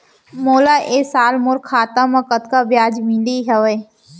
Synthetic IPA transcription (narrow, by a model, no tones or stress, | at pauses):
moːlaːʔeːsaːlmʊɾkʰːaːt̪ãmãkət̪kaːbjaːd͡ʒmɪliɦɐʋeː